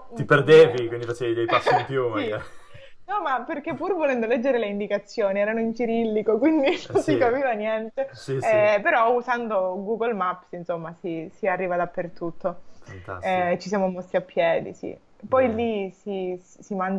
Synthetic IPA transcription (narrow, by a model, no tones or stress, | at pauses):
t̪iperd̪eːvikwind̪ifat͡ʃɛvid̪ejpasːimpjumaai | nɔmapːerk̟epːuːrvolɛnd̪olɛd͡ʒːeɾeleind̪ikat̪sːjoːniɛːɾanoint͡ʃiɾilːikokwind̪inonsikapiːvanjɛnt̪esiɛpeɾɔusand̪oɡuɡolmapːsinsomːasisiarːiːvad̪apːert̪ut̪ʰːofat̪a̰ɛt͡ʃːis̬jamomɔsːiapːjɛːd̪ḭsḭ | pɔjlisisiman